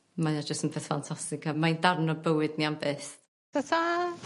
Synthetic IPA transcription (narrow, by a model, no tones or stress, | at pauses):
majad͡ʒəstənpʰeːθfantʰastɪkamaindarnɔbəwɨdniambeːs | data